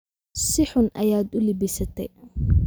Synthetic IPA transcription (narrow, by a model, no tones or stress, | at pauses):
sɪħʊnʔɐjaːd̪ʊlibɪsɐt̪ʰɛj